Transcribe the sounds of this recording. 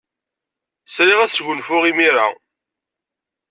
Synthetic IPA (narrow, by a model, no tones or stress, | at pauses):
sɾiʁæθʝʊnfʊʁimiɾa̰